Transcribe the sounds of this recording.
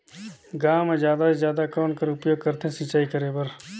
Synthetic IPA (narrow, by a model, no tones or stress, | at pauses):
ɡaːmezjaːd̪asezjaːd̪akɔːnkəɾʊpjoːɡ̚kɐɾt̪eɦɛ̃sɪ̃t͡ʃaːikəɾebəɾ